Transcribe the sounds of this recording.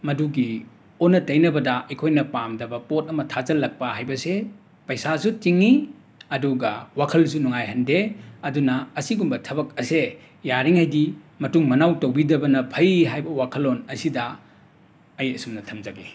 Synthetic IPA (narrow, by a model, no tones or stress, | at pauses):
mɐduɡi | onːɐtɐjnɐbɐdɐɐjkʰojnɐpamdɐbɐpot̚ɐmɐtʰazɐlːɐk̚pɐɦajbɐse | pɐjsasutiŋːi | ɐduɡɐwakʰɐlsunuŋajɦɐndeɐdunɐːsiɡumbɐtʰɐbɐk̚ɐse | jaɾiŋhajdi | mɐtuŋmɐnawtowbidɐbɐnɐpʰɐjiɦajbɐwakʰɐlonɐsidɐ | ɐjɐsumnɐtʰɐmzaɡi